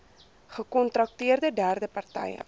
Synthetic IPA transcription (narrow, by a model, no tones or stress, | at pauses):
χəkɔntrɐk̚tiərdədæːrdəpɐrtɛ̰jə̰